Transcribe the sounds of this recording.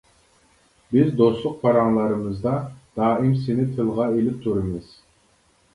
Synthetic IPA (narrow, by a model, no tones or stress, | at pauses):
bizd̪o̞slˠʊq̚pʰɑɾɑɴlˠɑɾɯmɯzd̪ɑd̪̥ɑːimsinɪt̪ʰɯlˠʁɑelip̚t̪ʰuɾɯmɯz̥